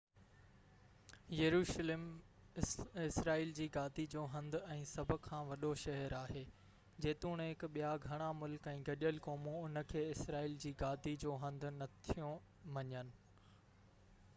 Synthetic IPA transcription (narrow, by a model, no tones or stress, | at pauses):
jɐɾuːʃleːm | ɪsɾaːiːld͡ʑiːɡaːd̪id͡ʑoːɦɐ̃nd̪ɛ̃ːsɐbʱʊ̆kʰːãːʋɐɗoʃɐɦəɾaːɦeː | d͡ʑeːt̪uːɽ̃ɦɪkɓijaɡʱɐɽ̃amʊlkɛ̃ːɡɐɗjəlkɔːmõʊnə̆kʰeːɪsɾaːiːld͡ʑiːɡaːd̪id͡ʑoːɦɐ̃nd̪̆ʱnɐt̪ʰijõ | ʋɐɲənɪ̆